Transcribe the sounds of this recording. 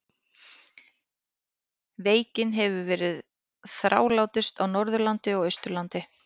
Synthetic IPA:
veːjcɪnɦɛvʏvɛːɾɪð | θɾʔa̰ːwlaːwt̪ɪ̥st̪awnɔɾðʏɾlant̪ɪɔɣœjst̪ʏɾlant̪ɪ

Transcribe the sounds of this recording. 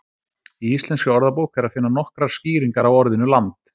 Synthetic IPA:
iist̪lɛnskʏɔɾðapoːwkɛɾaðfɪnːanɔhkɾḁsciːɾiŋkaɾawɔɾðɪnʏlant̪

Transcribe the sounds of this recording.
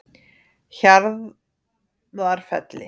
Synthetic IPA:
çaɾð | aɾ̥fɛ̰t̪lɪ̰

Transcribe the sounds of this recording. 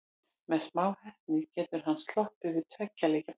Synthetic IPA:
mɛðsmaːwhɛht̪nɪcɛːt̪ʏɾ̥ɦanːst̪lɔhpʏvɪðt̪ʰvɛcːalɛca

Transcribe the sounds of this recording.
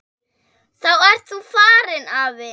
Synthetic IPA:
θawɛɾ̥t̪ufaːɾɪnavɛ

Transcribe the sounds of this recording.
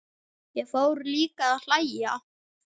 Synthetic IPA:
jɛɣfowɾliːkaaðl̥aja̰

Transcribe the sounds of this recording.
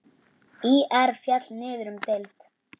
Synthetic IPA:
iʔɛɾ̥fjat̪lnɪːðʏɾʏmt̪elt̪

